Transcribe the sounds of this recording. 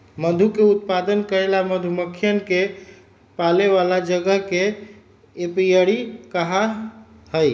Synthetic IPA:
məd̪ʱukeut̪̚pad̪ənkəɾelaməd̪ʱuməkʰːjənke | paleʋalad͡ʒəɡəɦkeː | pijəɽikəɦa | həj

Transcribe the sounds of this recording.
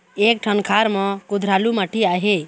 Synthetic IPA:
ek̚ʈʰənkʰaɾmɔ̃kud̪ʱɾalumaʈʰiaɦe

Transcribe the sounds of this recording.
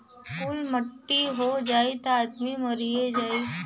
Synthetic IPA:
kuːlmɐʈːiɦod͡ʒaːit̪oaːd̪mimɐɾied͡ʒaːi

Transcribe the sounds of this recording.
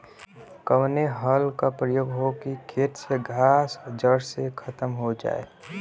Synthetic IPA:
kəʋneɦəlkapɾəjoːɡɦokikʰeːʈseɡʱaːsd͡ʒəɽsekʰət̪əmɦod͡ʒa̰ːḛ

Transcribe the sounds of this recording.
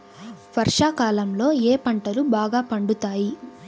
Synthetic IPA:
ʋɐɾʂaːkaːlɐmlo̞ːeːpɐɳʈɐlubaːɡaːpɐɳɖut̪aːji

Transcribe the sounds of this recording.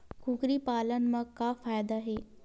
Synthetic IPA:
kukɾipaːlənmə̃kafaːjd̪aɦeː

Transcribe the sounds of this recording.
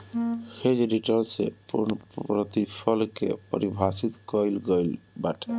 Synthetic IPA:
hed͡ʒɾiʈənsḛpuɾnpɾət̪ipʰəlkḛpə̰ɾibʱasit̪kəjlɡəjlbaʈʰɛ

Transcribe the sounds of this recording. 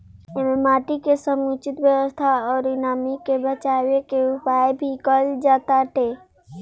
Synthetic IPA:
ememaːʈikesəmut͡ʃɪt̪wjəwəst̪ʰaɔːɾd̪ɪnaːmikebət͡ʃaːwekeupaebʱikəld͡ʒaːt̪aʈ̪e

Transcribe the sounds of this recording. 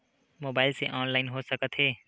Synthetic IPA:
moːbaːɪlseʔɔːnlaːɪnɦosɐkət̪ɦɛː

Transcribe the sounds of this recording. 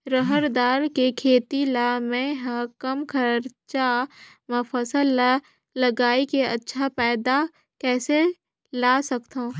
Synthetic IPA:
ɾəɦəɾd̪aːɾkekʰeːt̪ilamɛ̃ɦɐkəmkʰəɾt͡ʃa | mɐfəsəl | ləɡaːikeɐtːʃʰapɛːd̪a | kɛːse | laːsɐkt̪ũː

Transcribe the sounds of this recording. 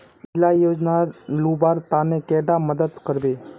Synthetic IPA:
ɪd͡ʒlajoːd͡ʒnalubaɾt̪anekɛɖaməd̪əd̪kəɾbe

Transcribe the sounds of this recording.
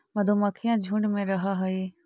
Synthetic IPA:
məd̪ʱoːmaːkʰɪjãːd͡ʒʱʊɳɖmẽːɾəɦaːɦəeː

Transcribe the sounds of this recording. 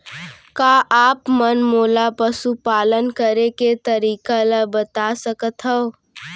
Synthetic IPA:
kaːʔaːpmənmoːlapəsupaːlənkəɾeket̪əɾiːkaləbət̪asəkət̪ɦɛo

